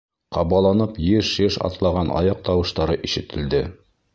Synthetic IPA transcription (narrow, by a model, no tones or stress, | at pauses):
qɑβɑlˠɑnɤpjɘʃɘʃɑ̰t̪lˠɑʁɑnʔɑ̰jɑq̚t̪ɑwɤ̆ʃt̪ɑɾɤʔiʃɘ̆t̪ɘ̆ld̪ɘ